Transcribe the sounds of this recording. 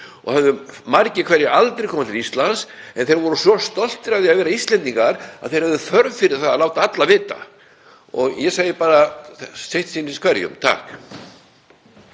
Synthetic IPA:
ɔ̰ɣhɛvðʏmaɾcɪkʰvɛɾjɪʔalt̪ɾejkʰɔːmat̪ɪɾist̪lansɛnθejɾvɔɾʏsvɔst̪ɔl̥t̪ɪɾavðɪaðvɛːɾaist̪lɛnt̪iŋkaɾa̰ð̥θejɾ̥hɛvðʏfœɾvfɪɾɪɾ̥θaðaðlaːwt̪aat̪lavɪːt̪a̰ | ɔɣjɛsaːjɪpaːɾasejht̪sinskʰvɛɾjʏ̰mt̪ʰa̰ːk

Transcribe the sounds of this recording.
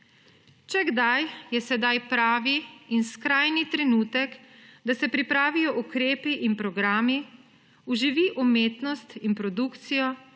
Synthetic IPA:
t͡ʃɛɡd̪ajjɛsɛd̪ajpɾaːʋiːnskɾajnit̪ɾɛnuːt̪ɛkd̪asɛpɾipɾaːʋijɔʔukɾeːpiʔinpɾɔɡɾaːmi | uʒiʋiʔumeːt̪nɔst̪inpɾɔd̪ukt̪sijɔ

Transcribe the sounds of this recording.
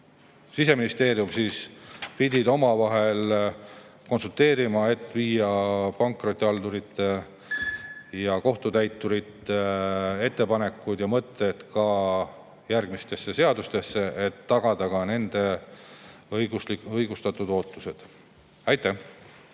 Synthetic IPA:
sise̞minist̪e̞ːɾjumsiːspid̪ʲid̪̥o̞mɑvɑɦe̞l | ko̞nsult̪e̞ːɾimɑe̞t̪ːˑviːjɑpɑŋkro̞t̪ʲːˑiɑld̪uɾit̪ːe | jɑko̞ht̪ut̪æjt̪ːˑuɾit̪ːee̞t̪ːe̞pɑne̞kːˑud̪̥jɑmɤt̪ːˑe̞t̪kɑ | jærɡ̥mist̪e̞sːe̞se̞ɑd̪ust̪e̞sːe̞et̪ːɑɡ̥ɑd̪̥ɑkɑne̞nd̪̥e̞ | jɡuliɤjɡ̥ust̪ɑt̪ːˑud̪̥o̞ːt̪ˑːuse̞d̪̥ | ɑjt̪ˑːæh

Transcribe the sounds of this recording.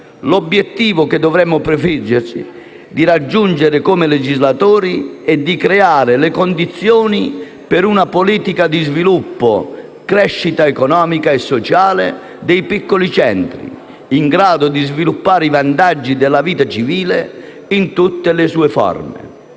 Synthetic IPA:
lɔbːjɛt̪ːiːvʊk̟ɪd̪ːɔvɾɛmːʊpɾɪfid͡ʒːɪɾsḭ | d̪iɾad͡ʒːund͡ʒeɾɪkomɪled͡ʒizlat̪oːɾiɛd̪ːikɾeaːɾɪlɪkond̪it̪sːjoːni | pɪɾunapoliːt̪ikad̪izvilupːʊ̰ | kɾɛʃːit̪aekɔnɔːmikaɛsːɔt͡ʃaːlɪ̰ | d̪ɛjpikːolit͡ʃɛnt̪ɾḭ | iŋɡɾaːd̪ʊd̪izvilupːaːɾivant̪ad͡ʒːid̪ɪlːaviːt̪at͡ʃiviːle | int̪ut̪ːɪlɪsuːefɔ̰rmeɪ̰

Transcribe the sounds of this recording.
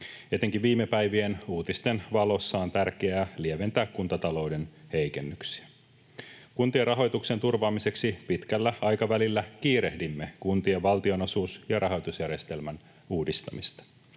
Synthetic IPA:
e̞t̪eŋk̟iʋʋiːmːe̞pæjʋie̞nuːt̪ist̪e̞nʋɑlo̞sːɑːnt̪ærk̟eæːlieʋe̞nt̪æːkkːunt̪ɑt̪ɑlo̞wde̞nhe̞jke̞nːyksi̥æ | kunt̪ierɑɦo̞jt̪ukse̞nt̪urʋɑːmise̞ksipit̪kælːæɑjkɑʋælilːækiːɾe̞hdimːe̞kunt̪ieʋʋɑlt̪io̞no̞suːsjɑrʔɑɦo̞jt̪usjærje̞st̪e̞lmæn | uːdist̪ɑmist̪ɑ̥

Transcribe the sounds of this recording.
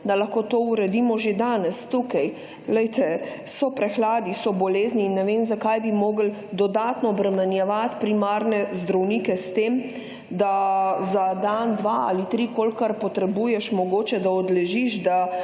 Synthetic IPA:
d̪alaxkoːt̪oːuɾɛd̪iːmɔʒed̪aːnɛst̪ukaj | lɛjt̪ɛsɔpɾɛxlaːd̪isɔbɔleːzniːnːɛʋeːmzakajbimoːɡəld̪ɔd̪aːt̪nɔːbɾɛmɛnjɛʋat̪pɾimaɾnɛzd̪ɾɐwniːkɛst̪em | d̪azad̪and̪ʋaa̰lit̪ɾikolkaɾpɔt̪ɾɛbujɛʃmɔɡoːt͡ʃɛd̪aɔd̪lɛʒiʃd̪a

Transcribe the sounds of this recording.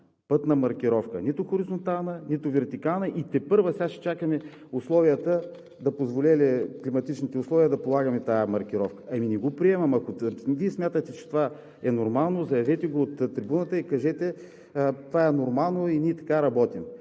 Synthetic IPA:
pɤt̪nɐmɐɾkʲiɾɔfkə̰nit̪ʊxoɾizont̪alˠnənit̪ʊvɛɾt̪ikanɐʔit̪ɛpɤɾvɐsʲaʃɛ̥t͡ʃakəmɛ | ʊslˠɔvijət̪ə | d̪ɐpozvolʲɛlɛklimɐt̪it͡ʃnit̪ɛʊslˠɔviəd̪ɐpolˠaɡɐmɛt̪ajəmɐɾk̟iɾɔfkə̥ʔɐminɛɡopɾiɛmɐmɐkoviɛsmjat̪ət̪ɛt͡ʃɛ̥t̪ova | ɛnoɾmalˠnozɐjɐvɛt̪ɛɡoːt̪ːɾibunət̪əikɐʒɛt̪ɛ | t̪ovaɛnoɾmalˠnoinʲiɛt̪ɐ̥kaɾɐbɔt̪im

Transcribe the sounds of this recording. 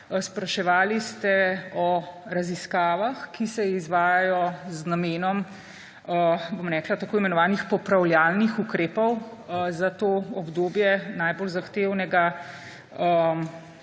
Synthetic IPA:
spɾɐʃɛʋaːlist̪ɛɔɾaziskaːʋaxkisɛizʋaːjajɔznameːnɔm | əbomɾɛːklat̪akoːimɛnɔʋaːnixpɔpɾawljaːlnixukɾeːpɔwzat̪oːɔbd̪oːbjɛnajbolzaxt̪eːwnɛɡa | ə

